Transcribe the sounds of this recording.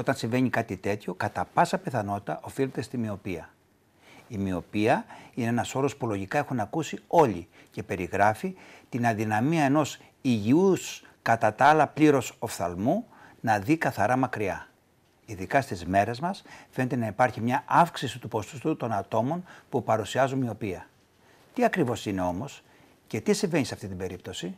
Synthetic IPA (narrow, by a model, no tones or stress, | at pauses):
o̞t̪ɐnsiɱve̞ɲikɐt̪it̪e̞t̪ço̞kɐt̪ɐpɐsɐpe̞θɐno̞t̪i̥t̪ɐʔo̞file̞t̪e̞st̪imio̞piɐ | imio̞piɐineenɐso̞ɾo̞spulo̞ʝikɐe̞xunɐkusio̞ʎḭ | ce̞pe̞ɾiɣɾɐfit̪inɐðinɐmiɐe̞no̞s | iʝius | kɐt̪ɐt̪ɐɐlɐpliɾo̞so̞fθɐ̰lmu | nɐðikɐθɐɾɐmɐkɾiɐ | iðikɐst̪izme̞ɾe̞zmɐsfe̞net̪e̞nɐipɐɾçimɲɐʔɐfksisit̪upo̞st̪u̥st̪ut̪o̞nɐt̪o̞mo̞npupɐɾusiɐzumio̞piɐ | t̪iɐkɾivo̞sine̞o̞mo̞s | ce̞t̪isiɱve̞niseɐft̪it̪ibe̞ɾipt̪o̞si